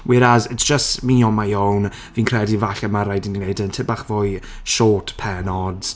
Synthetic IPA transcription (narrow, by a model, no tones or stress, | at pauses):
wɪɾazɪtsd̥ʒ̥əstmiɔmajown | viːnkʰrɛdivaɬɛmaɾajdininejdəntʰɪbaχvoj | ʃɔːtʰpʰɛnɔd